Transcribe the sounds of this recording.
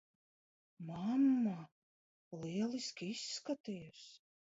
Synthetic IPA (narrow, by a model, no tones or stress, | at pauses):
mamːa | liɛlˠiskʲisːkat̪ejus